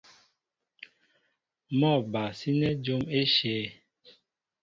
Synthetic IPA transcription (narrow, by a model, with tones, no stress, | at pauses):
mɔ˦˨ba˨si˦nɛ˦d͡ʒo˦me˦ʃeː˨˦